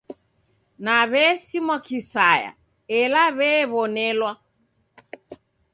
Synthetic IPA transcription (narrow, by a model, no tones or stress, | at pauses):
naβɛːsimɔkisaja̰ | ɛlaβɛβɔnɛlwa